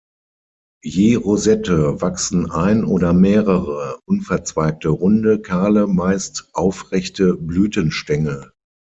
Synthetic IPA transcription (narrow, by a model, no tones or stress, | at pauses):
jeːʁozɛtəvaksn̩ʔaɪnʔoːdɐmeːʁəʁəʔʊnfɛɐt͡sv̥aɪk̚təʁʊndəkʰaːləmaɪstʔaʊfʁɛçtəblyːtənʃtɛŋə